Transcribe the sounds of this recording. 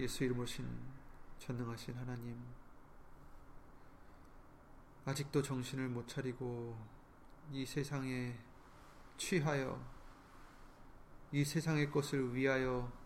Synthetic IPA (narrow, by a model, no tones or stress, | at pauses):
je̞sʰuiɾɯmoɕʰint͡ɕʌnːɯŋɦaɕʰinɦanaɲim | ad͡ʑik̚t͈ot͡ɕʌŋɕʰinɯɭmot͡ɕʰaɾiɡo | isʰe̞sʰaŋe̞ | t͡ɕʰwiɦajʌ̰ | isʰe̞sʰaŋe̞k͈ʌsʰɯɭɥiɦajʌ